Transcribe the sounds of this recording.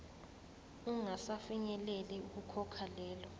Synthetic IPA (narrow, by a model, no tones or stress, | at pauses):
uŋasafiɲɛlɛlɛuk̬ukʰɔkʰalɛːlɔ